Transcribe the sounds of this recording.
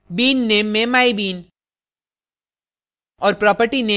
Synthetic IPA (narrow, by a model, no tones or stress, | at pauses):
biːnːeːmːẽmaːibiːn | ɔːɾpɾɔːpəʈineː